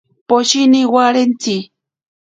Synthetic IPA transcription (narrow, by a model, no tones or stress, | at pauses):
poʃiniwaɾent͡si